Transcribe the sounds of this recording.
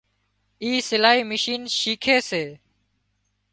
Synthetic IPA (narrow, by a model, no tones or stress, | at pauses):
iːsɪlaːɦiːmɪʃiːnʃiːkʰeːseː